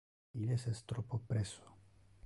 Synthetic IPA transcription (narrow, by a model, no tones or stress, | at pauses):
ilesest̪ɾopopɾɛso̥